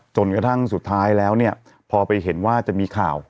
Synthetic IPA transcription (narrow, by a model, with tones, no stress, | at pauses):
t͡ɕo˧nkɾa˧t̪ʰa˥˩ŋsu˨˩t̪ʰːaː˦˥jlɛː˦˥wni˥˩ɐ | pʰɔː˧pa˧jɦe˩˦nwaː˥˩t͡ɕa˨˩miː˧kʰaː˨˩w